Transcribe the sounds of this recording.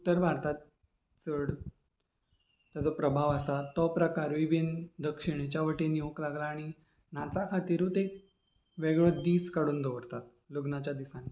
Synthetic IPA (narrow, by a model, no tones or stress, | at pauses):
ut̪ːəɾbʱaɾt̪at̪̚ | t͡səɽ | t̪jad͡zɔpɾəbʱaʋəsat̪ɔpɾəkaɾʋibind̪əkʂiɽ̃et͡ɕjaʋəʈenioklaɡlaːɽ̃i | nat͡sakʰat̪iːɾũt̪ek | ʋeɡɭəd̪iːskaɽuːnd̪oʋəɾt̪at̪̚ | loɡnat͡ɕjad̪isãni